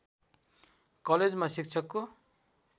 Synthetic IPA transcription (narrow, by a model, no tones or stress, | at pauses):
kʌled͡zmasik̚t͡sʰʌkːo